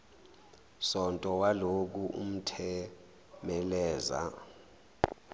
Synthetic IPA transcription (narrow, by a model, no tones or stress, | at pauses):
sɔntʼɔwalok̬uʔṵm̩tʰɛ | mɛlɛːza̰